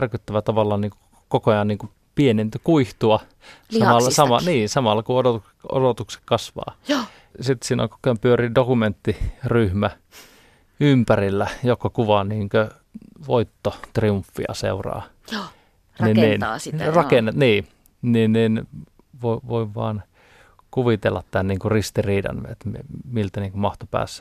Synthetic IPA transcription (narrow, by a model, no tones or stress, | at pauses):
rkyt̪ːæʋæt̪ɑʋɑlːɑnniːŋku | kokojɑnniːŋku | pienent̪kuiht̪uɑ | sɑmɑlːɑsɑmɑniːsɑmɑlːɑkuodot̪ukse̥o̰dot̪ukse̥kkɑsʋɑ̰ː | sit̪siːno̰kukpyøɾiːdokument̪ːiryhmæ | ympærilːæjokːɑkuʋɑniːŋkø | ʋoit̪ːot̪riuɱfːḭɑ̰sḛurɑ̰ː | ninniːnːsirɑkenːet̪niː | ninniːn | ʋoiʋoiʋʋɑ̰ːn | kuʋit̪elːɑt̪t̪ænniːŋkurist̪iriːdɑ̰nʋḛt̪mimilt̪æniːŋkumɑht̪opæ̰ːsːæ̥